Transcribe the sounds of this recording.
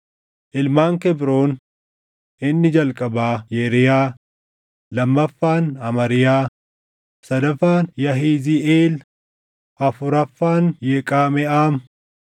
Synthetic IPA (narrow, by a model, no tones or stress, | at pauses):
ʔɪlmaːŋkɛbɾo̞ːn | ʔɪnːɪd͡ʒɐlkʼɐbaːjeːɾɪjaː | lɐmːɐfːaːnɐmɐɾɪjaː | sɐd̪ɐfaːnjɐɦiːzɪʔeːl | ʔɐfʊɾɐfːaːnjeːkʼaːmɛʔaːm